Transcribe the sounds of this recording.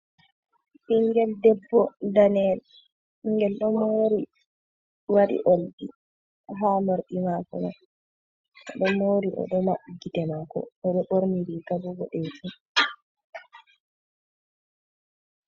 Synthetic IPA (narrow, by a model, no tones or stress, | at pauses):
ɓiŋɡɛldɛbːɔdanɛl | iŋɡɛlɗɔmoːɾi | waɗḭʔoldḭ | ɦaːmoɾɗimakɔ̰ma̰ | ɗɔmoːɾiʔɔ̰ɗɔmaɓɡitɛmakɔ̰ɔɗɔɓoɾniɾikabɔɡɔ̰ɗed͡ʒun